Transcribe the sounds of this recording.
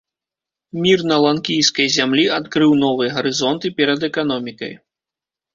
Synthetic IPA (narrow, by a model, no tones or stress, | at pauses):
mʲirnɐlˠankʲijskɐjzʲamlʲiat̪kɾɨwn̪ɔvɨjɐɣɐɾɨzɔnt̪ɨpʲɛɾɐd̪ɛkanɔmʲikɐ̰j